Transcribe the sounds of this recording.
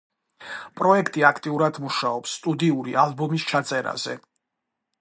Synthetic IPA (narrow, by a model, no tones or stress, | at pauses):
pʼɾɔɛkʰt̪ʼiakʰt̪ʼiuɾad̪muʃaɔpsːt̪ʼud̪iuɾiʔalbɔmist͡ʃʰat̪sʼɛɾa̰z̥ɛ̰